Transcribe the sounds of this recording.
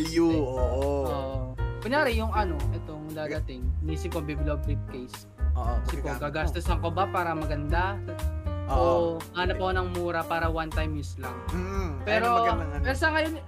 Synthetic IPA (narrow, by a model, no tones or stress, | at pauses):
juoʔoʔoːʔpɪnjaːɾɪjʊŋʔɐno̞ʔɛt̪oŋd̪aːd̪ɐt̪ɪŋnisɪpːɐbiblobɾip̚kejs | oʔsɪpokaɡaːsst̪osɐŋkobapaːɾɐmɐɡɐnd̪a | ʔʔoʔalɐpɐkonɐŋmuːɾɐpaːɾɐwant̪ajmjɪslɐŋ̩pɛːɾopɛɾsɐkɐjon